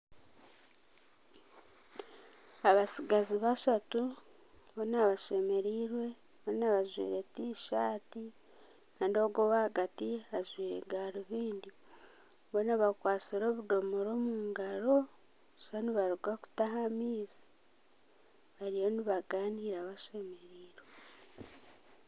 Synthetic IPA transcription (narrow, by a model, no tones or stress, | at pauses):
aβasiɡaziβaʃatu | βonaβaʃe̞me̞ɾiːɾwe̞ | βonaβaʒwḭːɾe̞tiʃaːti | kaːndo̞ɡoβaaɡatiazwiːɾḛɡaːɾuβiːndi | βonaβakwaːt͡siɾo̞ːβudo̞moɾo̞ːmuːŋɡaɾo̞ | ʃaniβaɾuɡaku̥taɦamiːzi̥ | βaɾijo̞niβaɡaːniːɾaːβaʃe̞me̞ɾiːɾwe